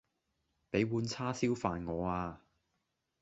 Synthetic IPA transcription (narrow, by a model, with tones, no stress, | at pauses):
pe˨˥jwuː˨˧nt͡sʰaː˥siː˥wfaː˨nŋɔː˨˧aː˧